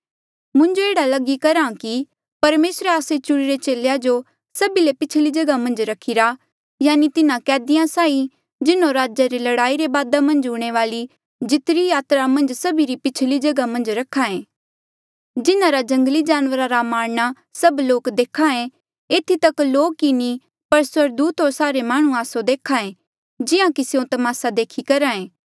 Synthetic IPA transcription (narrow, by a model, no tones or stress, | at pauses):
mʊ̃nd͡ʒoeːɽalɐɡikɐɾãki | pɐɾmeːsɾeaːset͡ʃʊɽiɾet͡ʃeːlead͡ʒo | sɐbilepɪt͡ʃʰlid͡ʒɐɡamɐ̃nd͡ʒɾɐkʰiɾa | jaːnit̪ɪnãkɛːd̪ijãsaːi | d͡ʒɪnõɾaːd͡ʒaɾilɐɽaːiɾebaːd̪amɐ̃nd͡ʒʊːɽ̃eʋaːli | d͡ʒɪt̪ɾijaːt̪ɾamɐ̃nd͡ʒsɐbiɾipɪt͡ʃʰlid͡ʒɐɡamɐ̃nd͡ʒɾɐkʰaẽː | d͡ʒɪnãɾad͡ʒɐ̃ŋɡlid͡ʒaːnʋəɾaɾamaːɽña | sɐbloːkd̪eːkʰaẽ | eːt̪ʰit̪ɐkloːkːini | pɐɾswəɾd̪uːt̪ɦoːɾsaːɾemaːɽ̃ũaːsod̪eːkʰaẽ | d͡ʒɪãkisɪjõt̪ɐmaːsad̪eːkʰikɐɾaːẽː